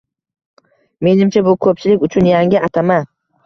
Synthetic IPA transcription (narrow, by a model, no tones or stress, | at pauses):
me̞nɪmt͡ʃʰabʊkʰɵp̚t͡ʃʰɪlɪkʲʊt͡ʃʰʊnjaŋʲɪʔat̪ʰaman